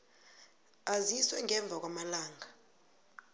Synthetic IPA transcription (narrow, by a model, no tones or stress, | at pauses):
aziswɛŋʱɛɱb̪vʱak̬wamalaːŋʱa